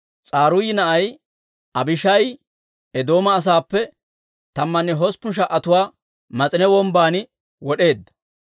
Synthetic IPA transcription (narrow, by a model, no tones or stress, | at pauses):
t͡sʼaːɾʊjɪnɐʔɐj | ɐbɪʃɐj | ɛd̪o̞ːmɐːs̬aːpːɛ | t̪ɐmːɐnːɛɦɔspːʊnʃ̬ɐʔːɐt̪ʊwaː | mɐt͡sʼɪnɛwɔmbaːnɪ | wɔɗe̞ːd̪ːɐ̥